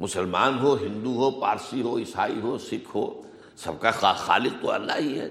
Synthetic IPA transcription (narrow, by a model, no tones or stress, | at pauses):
mʊsəlmaːnɦoːɦɪ̃nd̪uɦoːpaːɾsiɦoːɪsaːḭɦoːsɪkʰɦo̰ː | sɐb̚kaxaxa̰ːlɪq̚t̪oɐ̰lːa̰ːɦiɦɛ̰ː